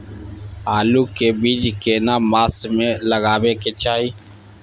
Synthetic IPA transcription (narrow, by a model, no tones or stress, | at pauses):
ɦaːluːkeːbiːd͡ʒkeːnaːmaːsmẽːləɣaːʋeːkeːt͡ʃaːiː